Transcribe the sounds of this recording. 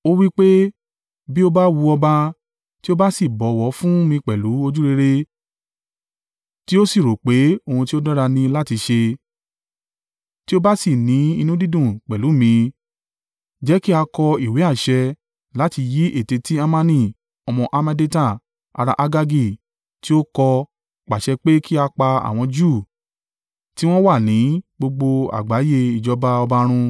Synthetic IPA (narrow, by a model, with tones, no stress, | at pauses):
o˦wi˦k͡pe˦ | bi˦o˦ba˦wu˧ɔ˧ba˧ | ti˦o˦ba˦si˦˨bɔ˨˦˨wɔ˨˦fũ˦mĩ˧k͡pɛ˨lu˨˦o˧d͡ʒu˦ɾe˧ɾe˦ | ti˦o˦si˦˨ɾo˨k͡pe˨˦o˧hũ˧ti˦o˦dɔ̃˦ɾa˧nĩ˧la˦ti˧ʃe˧ | ti˦o˦ba˦si˦˨nĩ˨˦i˧nũ˦di˦dũ˦˨k͡pɛ˨lu˨˦mĩ˧ | d͡ʒɛ˨˦ki˦a˧kɔ˧i˨we˨˦a˦˨ʃɛ˧ | la˦ti˧ji˨˦ʔe˦˨te˧ti˦a˦mã˦nĩ˦˨ | ɔ˧mɔ̃˧ʔa˧mɛ̃˧de˦tã˦˨ | a̰˧ɾa̰˧ʔa˧ɡa˧ɡi˦˨ | ti˦o˦kɔ˧ | k͡pa˨ʃɛ˧k͡pe˦kʰi˦a˧k͡pa˧a̰˨w̃ɔ̃˧d͡ʒu˦˨ | ti˦w̃ɔ̃˦wa˦˨nĩ˨˦ɡ͡bo˧ɡ͡bo˧a̰˨ɡ͡ba˨˦je˧i˨d͡ʒɔ˨˧ba˧ɔ˧ba˧ɾ̃ũ˧